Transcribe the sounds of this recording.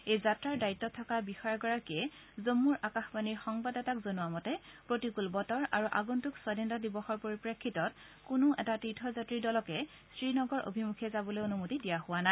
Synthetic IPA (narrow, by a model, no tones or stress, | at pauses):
ejzatɹaɹdaitːɔtʰɔkabixɔaɹɡɔɹakiɛ | zomːuɹakaxbaniɹxɔŋbadɛtakzonʊwamɔtɛpɹotikulbɔtɔɹaɹuʔaɡuntukswɔdɛndɔdibɔxɔɹpoɹipɹekʰːitɔt̚ | kʊnuʔɛ̰tatitʰɔzatɹidɔlɔkɛ | stɹinɔɡɔɹʔo̰bʱimukʰɛzabɔlojonumotidijahʊwana